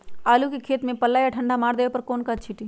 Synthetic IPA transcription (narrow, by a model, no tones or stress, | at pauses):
aːlukikʰeːt̪mẽpɐlːaːjaʈʰɐ̃ɳɖʱamaːɽd̪ejopɐɾkoːnkat͡ʃʰiʈi